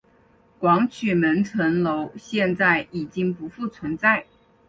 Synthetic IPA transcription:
kwɑ˧˥ŋt͡ɕʰy˨˩mə˧˥nʈ͡ʂʰə˧˥nlo˧˥ʊɕjɛ˥˧nt͡sa˥˩ɪi˨˩t͡ɕi˥ŋpu˧˥fu˥˩t͡sʰwə˧˥nt͡sa˥˩ɪ

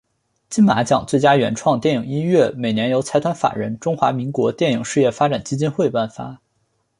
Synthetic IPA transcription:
t͡ɕi˥nma˧˥t͡ɕjɑ̰˨˩˦ŋt͡swe˥˩ɪt͡ɕja˥ɥɛ˧˥nʈ͡ʂʰwɑ˥˧ŋt̪jɛ˥˩nji˨˩ŋi˥nɥɛ˥˩me˨˩ɪnjɛ˧˥njo˧˥ʊt͡sʰa˧˥ɪt̪ʰwa˥nfa̰˨˩ɻə̰˧˥nʈ͡ʂʊ˥ŋxwa̰˧˥mi˧˥ŋkwɔ˧˥t̪jɛ˥˩nji˨˩˦ŋʂɻ̩˥˧jɛ˥˩fa˥ʈ͡ʂa˨˩nt͡ɕi˥t͡ɕi˥nxwe˥˧ɪpa˥˩nfa̰˧˥

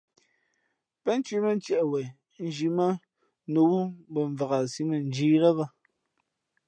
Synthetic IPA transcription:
pɛ˦n˦t͡ʃɥi˦mə˦n˦tjɛ˨ʔwɛ˨ | n̩˦˨d͡ʒi˨mə˦ | no˨wu˦bə˨ɱ˨va˨ɣa˨si˦mə˨n̩˦d͡ʒiː˦lə˦ba˦

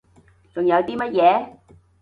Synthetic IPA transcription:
t͡sʊ˨˩ŋjɐ˨˧wt̪iː˥mɐ˥t̚jɛː˨˧˦

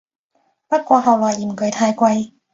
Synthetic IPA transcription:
pɐ˦˥kʷːwaː˧ɦa˨˧˩wwaː˨˧˩ʔi˨˩mkɤ˨˩jt̪ʰaː˧jkwa˧j

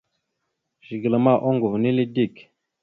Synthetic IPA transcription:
ʒi˨ɡla˨ma˦˨ʔɔ˦ŋɡu˨vni˦li˦di˦˨k

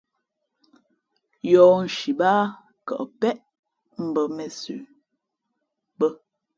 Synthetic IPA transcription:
jɔ˨n̩˨ʃi˨baː˦ | kə̰˨ʔpɛ˦ʔ | m̩˨bə˨mɛ˨sʉ̰˨ | bə˦

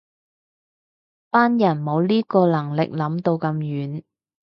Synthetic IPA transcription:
paː˥njɐ˨˩nmo˨˧wliː˥kɔː˧lɐ˨˩ŋlɪ̰˨k̚lɐ˨˧˥mt̪o˧wkɐ˧mjyː˨˥n

